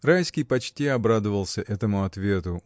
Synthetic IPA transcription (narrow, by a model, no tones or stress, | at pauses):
rajskʲijpɐt͡ɕtʲiɐbɾad̪əvəlˠsʲəʔɛt̪əmʊɐt̪vʲet̪ʊ